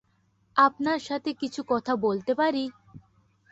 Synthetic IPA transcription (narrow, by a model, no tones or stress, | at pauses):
apnaɾʃat̪ʰekit͡ɕʰukɔt̪ʰabolt̪epaɾi